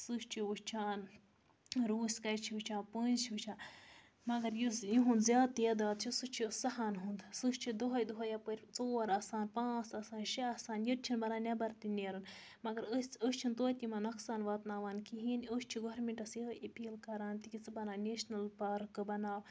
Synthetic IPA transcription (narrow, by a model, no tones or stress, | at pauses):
sɨst͡ʃʰiuʃt͡ʃʰaːn | ɾuːsʲkɐjt͡ʃʰiut͡ʃʰãːpəːnt͡ʃʰiɨt͡ʃʰaː | mɐɡɐɾjisjiɦund̪zʲjaːd̪̚t̪ɐd̪aːt̪̚t͡ʃʰisɨt͡ʃʰisɐɦaːnɦund̪sɨʃt͡ʃʰid̪uɦɐjd̪uɦɐjapəɾʲt͡soːɾaːsaːnpãːt͡sɐsaːnʃiɐːsaːnjit̪̚t͡ʃʰinbɐɾaːnʲabɐɾt̪inʲeːɾɨn | mɐɡɐɾəsʲəst͡ʃʰint̪oːt̪ʲimɐnɐksaːnʋaːt̪naːʋaːnkiɦinəʃt͡ʃʰiɡoɾmeɳʈɐsjiʔepiːlkɐɾaːnt̪ikʲit͡sɨbɐnaːneʃnɐlpaɾkɨbɐnaːw